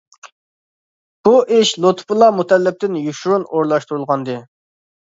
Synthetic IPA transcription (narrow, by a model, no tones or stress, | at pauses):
b̥uʔɪʃlˠot̪ʰpʰulˠɑmut̪ʰɛlːɪp̚t̪ɪnjuʃuɾunoɾlˠɑʃt̪uɾulˠʁɑnd̪ɨ